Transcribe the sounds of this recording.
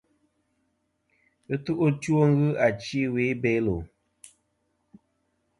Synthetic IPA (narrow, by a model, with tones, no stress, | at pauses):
ɨ˦tu˦ʔu˦to˦ŋ˦ɣɨ˦a˨t͡ʃi˦we˨˦be˨˦lo˨